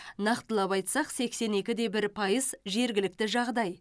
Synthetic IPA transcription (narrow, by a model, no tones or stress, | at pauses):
nɑqt̪əlˠɑpɑjt̪sɑqse̞kse̞ne̞kʲɪd̪e̞bɪɾpʰɑjəzʒe̞ɾɡʲɪlɪk̚t̪ɪʒɑʁd̪ɑj